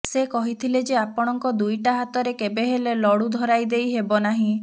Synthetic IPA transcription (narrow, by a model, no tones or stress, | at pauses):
sekɔɦit̪ʰiled͡ʒeapɔɽ̃ɔŋkɔd̪ujʈaɦat̪ɔɾekebeɦelelɔɽud̪ʱɔɾajd̪ejɦebɔnaɦĩ